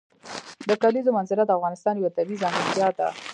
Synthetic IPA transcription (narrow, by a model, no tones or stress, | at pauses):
d̪əkalizomanzɪlad̪əafɣɑnɪst̪ɑnjawat̪abizɑnizjɑd̪a̰